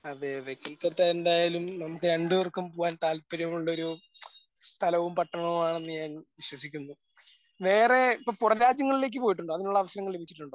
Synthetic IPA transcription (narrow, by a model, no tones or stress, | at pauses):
ɐðɨʋekːɐlt̪ːɐɾt̪ːaːendaːjaːlumnɐmukːɨɾɐɳɖuʋɐrkːumpoːʋaːnt̪aːlpːɐɾɐmuɭːɐo̞ɾu | st̪ʰɐlɐʋumpɐʈːɐɳɐɳɐʋumaːɳe̞nːɨɲaːnʋiɕwɐsikʲːunːu | ʋe̞ːre̞ipːoːpurɐɾaːd͡ʑjɐŋːɐɭile̞ːk̬ːɨpo̞ːjiʈːuɳɖoːɐðinuɭːɐːʋɐsɐɾɐŋːɐɭlebʱit͡ɕːi̥ʈːuɳɖo̞ː